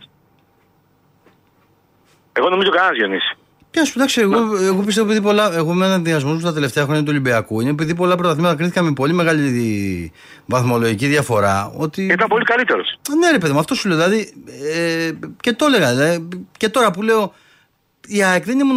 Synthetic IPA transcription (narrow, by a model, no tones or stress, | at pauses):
e̞ɣo̞no̞mizokɐnzʝenis | pçɐsuðɐksoeɣoeɣo̞p̬is̬t̪eopiðipo̞lɐeɣo̞mennɐnðiɐzmo̞smust̪ɐt̪e̞le̞ft̪eɐxɾo̞ɲɐt̪̬ulibiɐkuinep̬iðip̬o̞lɐp̬ɾot̪ɐθimɐt̪ɐk̬ɾiθikɐmepo̞lime̞ɣali | vɐθmo̞lo̞ʝiciðʝɐfo̞ɾɐ̰o̞t̪ieit̪ɐmpo̞likɐlit̪e̞ɾo̞sneɾepeðimɐft̪o̞suleðilɐðiece̞t̪o̞le̞ɣɐlɐice̞t̪o̞ɾɐpule̞o̞ | iɐekðenemo